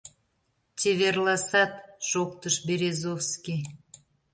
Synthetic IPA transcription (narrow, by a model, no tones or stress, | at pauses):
tʲeβʲerlˠɑsɑt̪ʒ̥ok̚t̪əʃbeɾʲezofskʲi